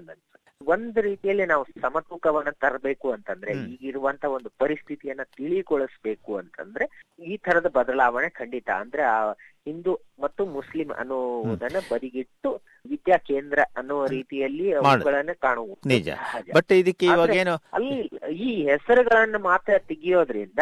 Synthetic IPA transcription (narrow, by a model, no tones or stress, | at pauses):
nd̪ɐnsɐ | o̞nd̪uɾiːt̪ijɐlːinaːʋusɐmɐt̪ukɐʋɐnːɐt̪ɐɾbe̞ːkuɐnt̪ɐnd̪ɐɾeiːɡiɾuʋɐnt̪ʰɐo̞nd̪upɐɾist̪ʰit̪ijɐnːɐt̪iɭikoɭisbe̞ːkuɐnt̪ɐ̰nd̪ɐɾe̞iːt̪ʰɐɾɐd̪ɐbɐd̪ɐlaːʋɐɳekʰɐɳɖit̪ɐ̰ɐ̰nd̪ɐɾeaɦind̪u | mɐt̪ːumuslimɐ̰nːuʋud̪ɐnːɐbɐɾiɡiʈːu | ʋid̪jaːkeːnd̪ɾɐɐnːɔːʋɐɾiːt̪ijɐlːimaɽɡɐɭɐnːɐkaːɳuʋunid͡ʒɐ̰aɦaːd͡ʒɐ̰bɐʈːid̪ikːeiʋaːɡ̪eeːnuɐ̰lːiiːɦɛsɐɾuɡɐɭɐnːumaːt̪ɾɐt̪iɡijo̞ːd̪ɐɾind̪ɐ